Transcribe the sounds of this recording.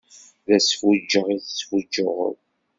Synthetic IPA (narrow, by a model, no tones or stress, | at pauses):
ðæsfud͡ʒːəʁiθsfud͡ʒʊʁə̰ð